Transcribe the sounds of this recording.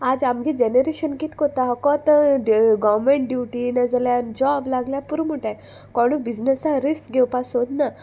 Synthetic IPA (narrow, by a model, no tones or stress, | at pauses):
aːd͡ʒamɡed͡ʒeneɾeːʃənkit̪kot̪aɦɔkɔt̪ | ɡɔʋɾmẽɳʈ̚ɖjuːʈinɐzɐljand͡ʒɔːblaːɡljapuɾmuʈa | kɔɽubiznesãɾiskɡewpasoːd̪na